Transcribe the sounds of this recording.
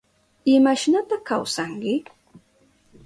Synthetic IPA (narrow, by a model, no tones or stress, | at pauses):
ɪmaʃnat̪akawsaŋkɪ